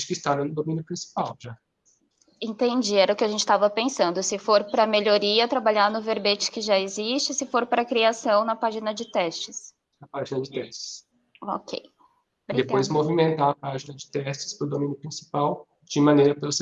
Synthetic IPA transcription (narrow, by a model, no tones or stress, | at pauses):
kɪst̪aɾɐ̃nʊd̪omĩnjʊpɾĩsi̥pawʒa | ẽnt̪ẽd͡ʒiɛɾɐʊkɪaʒẽnt͡ʃɪ̥st̪avɐpẽsɐ̃nd̪ʊsɪfoɾpɾɐmeʎoɾiɐt̪ɾabaʎaɾnʊveɾbet͡ʃɪ̥kɪʒaezist͡ʃɪsɪfoɾpɾɐkɾiasɐ̃w̃nɐpaʒinɐd͡ʒɪt̪ɛst͡ʃɪs | ɐpaʒinɐd͡ʒɪt̪ɛst͡ʃɪ̥s | o̰kʰḛj | bɾid̪epojzmovimẽnt̪aɐpaʒinɐd͡ʒɪt̪ɛst͡ʃɪ̥spɾʊd̪omĩnjʊpɾĩsi̥paw | d͡ʒɪmɐ̃nejɾɐpelʊs